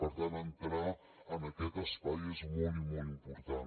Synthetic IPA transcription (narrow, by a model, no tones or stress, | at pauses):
pəɾt̪anənt̪ɾa | ənəkɛt̪əspajezmolˠt̪mɔlˠimpuɾt̪an